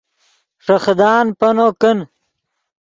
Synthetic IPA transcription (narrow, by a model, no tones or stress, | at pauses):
ʂɐxd̪aːnpɐnoːkən